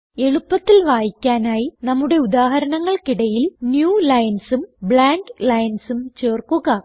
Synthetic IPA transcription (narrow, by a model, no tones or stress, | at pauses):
e̞ɻupːɐt̪ːilʋaːjikʲːaːnaːjinɐmːuɽe̞ud̪aːɦɐɾɐnɐŋːɐɭkiɽɐjilnjuːlɐjɐnsumbɭaːŋɡlɐjɐnsumt͡ɕe̞ːrkuɣɐ